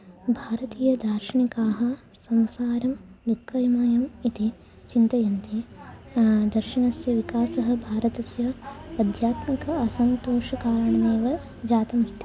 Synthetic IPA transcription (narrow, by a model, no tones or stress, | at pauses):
bʱaːɾɐt̪iːjɐd̪ʱaːɾʃɐɳikaːɦɐ̆ | sɐmsaːɾɐm | d̪ukʰːɐjmaːjɐmit̪i | t͡ʃint̪ɐjɐnt̪e | d̪ɐɾʃiɳɐsjɐʋikaːsɐɦɐ̆bʱaːɾɐt̪ɐsjɐɐd̪ʱjaːt̪mikɐɐsɐnt̪oːʃɐkaːɾɐɳɐneːʋɐ | d͡ʒaːt̪ɐmst̪ʰi